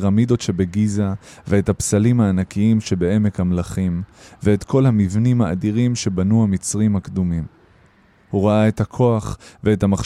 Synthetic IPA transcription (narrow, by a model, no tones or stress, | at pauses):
ʁamido̞tʃe̞beɡizave̞ethapsalimhaːnakiimʃe̞be̞e̞me̞khamlaχimve̞ːtkʰo̞lhamivnimhaːdiʁimʃe̞banuhamit͡sʁimhakd̪umim | huʁaae̞thakʰo̞aχve̞ethamaχ